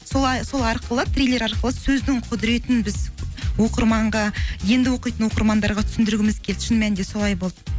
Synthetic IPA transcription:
solˠɑjso̞lˠɑɾqəlˠət̪ʰɾʲijlʲˠe̞ɾɑɾqəlˠəsɵzd̪ɪɴqʰʊd̪ɪɾe̞t̪ɪnbɪzwo̞qəɾmɑɴʁɑje̞nd̪ɪwo̞qijt̪ənwo̞qəɾmɑnd̪ɑɾʁɑt̪ʰʏ̥sɪnd̪ɪɾɡʲɪmɪzkʲʰe̞lt̪ʃənmænd̪e̞so̞lˠɑjbo̞lˠd̪ə

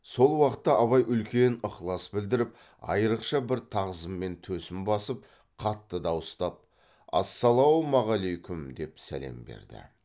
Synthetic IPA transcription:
so̞lˠwɑqət̪ːɑʔɑβɑjʔʏlkʲe̞nəχlˠɑsbɪld̪ɪɾɪp̚ | ɑ̰jəɾəqʃɑbɪɾt̪ʰɑʁəzəmːe̞nt̪ʰɵsɪmbɑsəp̚ | qʰɑt̪ːəd̪ɑwəst̪ɑp̚ | ɑ̰sːɑlˠɑwmɑʁɑlejkʲʊmd̪e̞psæ̰le̞̰mbe̞̰ɾd̪ɪ̰

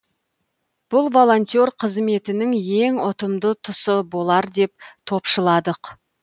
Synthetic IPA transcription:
b̥ʊlˠvo̞lˠo̞nʲt̪ʲjoɾqʰəzme̞t̪ɪnɪŋje̞ŋʊt̪əmd̪ət̪ʰʊsəbo̞lˠɑɾd̪e̞p̚t̪ʰo̞pʃəlˠɑd̪əq

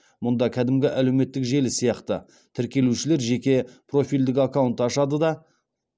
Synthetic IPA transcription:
mʊnd̪ɑkʲʰæd̪ɪmɡʲɪʔæle̞wme̞t̪ːɪkʒe̞lɪsijɑqt̪ə | t̪ʰɪɾkʲe̞luʃɪle̞ɾʒe̞kʲe̞pʰro̞fʲijld̪ɪkʲakawnt̪ɑʃɑd̪əd̪ɑ

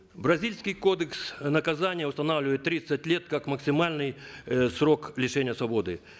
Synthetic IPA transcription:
bɾɐzʲilʲsʲkʲɪjko̞d̪əksnəkɐzanʲɪjəʊst̪ɐnavlʲɪvəɪt̪ːɾʲit̪sətʲlʲe̞t̪̚kakməksʲɪmalʲnɨjsro̞klʲɪʂɛnʲɪjəsvɐbo̞d̪ɨ

